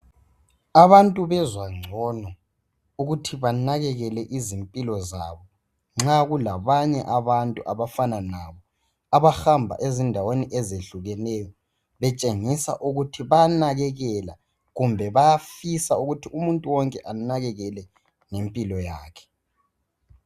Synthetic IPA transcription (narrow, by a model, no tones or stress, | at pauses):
aβantʼuβɛzwaŋ͡ǀʱɔnɔ | uɣutʰiβanaɣɛɣɛlɛʔizimpʼilɔzaβɔ | ŋ͡ǁaɣulaβaɲɛʔaβantʼuʔaβafananaβɔ | aβaxambʱa̰ʔezindʱaweniʔɛzeɬuɣɛnɛjɔ | βɛt͡ʃʼeŋisa̰ʔuɣutʰiβanaɣɛɣɛla̰ | ɣumbʱɛβajafisauɣutʰiumuntʼuwɔŋkʼɛʔanaɣɛɣɛlɛ | ŋempʼilɔjaːkʰɛ̥